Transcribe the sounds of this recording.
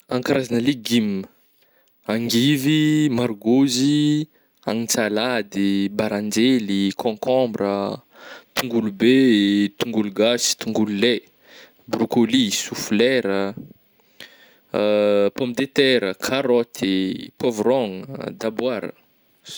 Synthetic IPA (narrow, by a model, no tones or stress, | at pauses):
ãŋkaɾʔazanəleɡimə | aŋɡivimaɾɡozi | aŋit͡salad̪ibaɾãnd͡ʒelikʰɔ̃kɔ̃mbrə | t̪uŋɡulubet̪uŋɡuluɡasi̥t̪uŋɡulule | brukolisuflɛɾə | pɔmpid̪et̪ɛɾəkʰaɾɔt̪ʰipɔvrɔŋd̪abwaɾə̰